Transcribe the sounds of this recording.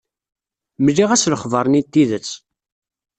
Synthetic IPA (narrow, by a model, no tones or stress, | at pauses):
məlːiʁæsləχvˤəɾˤnit̪ːiðət͡sː